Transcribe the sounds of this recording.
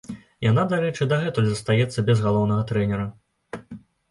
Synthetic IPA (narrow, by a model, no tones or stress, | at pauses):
janad̪aɾɛt͡ʂɨd̪ɐɣɛt̪ɔlʲzɐst̪ajɛt̪sːɐbʲɛzɣalˠɔwnɐɣɐt̪ɾɛnʲɛɾɐ